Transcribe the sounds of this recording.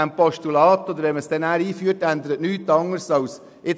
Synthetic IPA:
æmpɔʃtulɑːt̪od̪əɾʋɛməsd̥ɛnæːɾiːfyːəɾtænd̪əɾətnyːt̪ːɑŋərsɑws | ɪ

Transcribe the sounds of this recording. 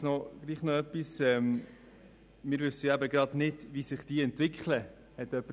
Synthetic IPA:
nɔɡ̥liːχnɔœpisɛm | mɪːɾvʏsəjæbəɡɾɑdnɪdvisɪχd̥iːɛntvɪkχlə | hɛt̪œpːə

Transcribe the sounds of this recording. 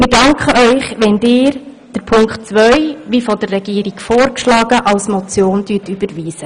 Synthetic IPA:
mɪdɑŋkχəʔœʏχʋɛndɪːɾ | d̥əɾpʰʊŋkχtt͡sʋœʏʋiːfɔd̥ərːɛɡ̥iːɾiɡ̥foːɾkʃlɑːɡ̥əʔɑlsmɔt͡sjoːndyːtyb̥əɾʋiːsə

